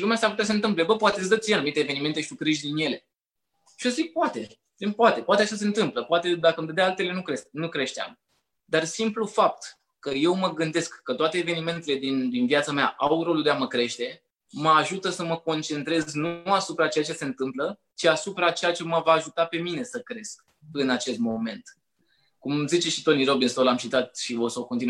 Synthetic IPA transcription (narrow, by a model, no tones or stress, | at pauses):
ʃilumeast̪aput̪ʲas̬əɨnt̪ɨmple̞bəpoat̪esd̪ət̪ijanumit̪eːve̞nime̞nt̪eʃit̪ukɾiʒd̪inje̞le̞ | ʃioszik̚poat̪e̞ | ipoat̪e̞poat̪eaʃas̬e̞ɨnt̪ɨmpləpoat̪e̞d̪akəmd̪ed̪aalt̪e̞le̞nukɾe̞st̪̚nukɾe̞ʃt̪ea̰m | d̪arsimplufap̚t̪ | kəje̞wməɡɨnd̪e̞skːət̪oat̪e̞ːve̞nime̞nt̪e̞le̞d̪ind̪invijat̪sameaʔawɾo̞luld̪eaməkɾe̞ʃt̪e̞ | məaʒut̪əsəməko̞nt͡ʃe̞nt̪ɾe̞zznuasupɾat͡ʃe̞jat͡ʃe̞se̞nt̪ɨmplə | t͡ʃiasupɾat͡ʃe̞jat͡ʃe̞məvaːʒut̪ape̞mine̞səkɾe̞sk̚ | ɨnat͡ʃe̞st̪̚mo̞me̞nt̪ | kumzit͡ʃe̞ʃit̪onijɾo̞binst̪olamʃit̪at̪̚ʃivosəoko̞nt̪in